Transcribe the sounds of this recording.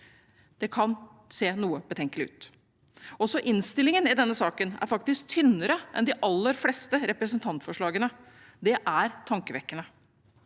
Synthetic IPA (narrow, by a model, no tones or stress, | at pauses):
d̪̥ɛkʰɑn | seːnuːəbət̪ʰɛŋkəlɪʉ̰ːt̪ | ɔsɔʔɪnst̪ɪlɪŋənɪd̪ɛnːəsɑːkənæ̰ɾfɑkt̪ɪsk̚t̪ʰʏnːəɾəʔɛ̰nd̪ɪʔɑlːəɾflɛːst̪əɾɛpɾəsənt̪ʰɑnt̪fɔʂɭɑːɡənə | d̪ɛʔæɾt̪ʰɑŋkəʋɛkːənə